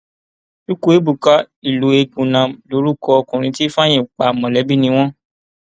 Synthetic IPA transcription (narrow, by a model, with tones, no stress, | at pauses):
u˦ko˦e˨˦bu˨ka˧˦ | i˨lo˨˦e˧ɡ͡bũ˨nã˨lo˨˦ɾu˦kɔ˧ɔ˧kũ˨ɾ̃ĩ˧ti˦fa˦j̃ĩ˦˨k͡pa˨mɔ̃˨lɛ˨˦bi˦nĩ˧w̃ɔ̃˦